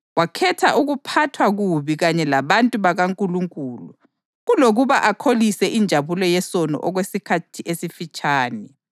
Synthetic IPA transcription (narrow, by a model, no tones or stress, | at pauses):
wakʰɛtʰaʔuɣupʰatʰwaɣuβiɣaɲɛlaβantʼuβaɣaŋkʼuluŋkʼuːlu | ɣuloɣuβaʔakʰolisɛʔind͡ʒʱaβulɔjɛsɔnɔ̰ʔɔɣwesikʰatʰiʔesifit͡ʃʼaːnɛ